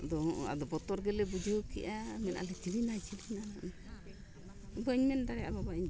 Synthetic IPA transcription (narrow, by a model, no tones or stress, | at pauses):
d̪ɔɔ̃ʔɔa̰d̪ɔbɔt̪ɔɾɡɛlɛbud͡ʒuokiʔamɛnʔa̰lɛt͡ʃiɾinat͡ʃiɾinanana | bəɲmɛndaɽɛa̰babaiɲ